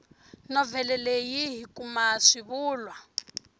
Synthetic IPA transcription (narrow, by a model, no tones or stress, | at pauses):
nɔvɛlɛlejiɦikumaʂiβuːlwa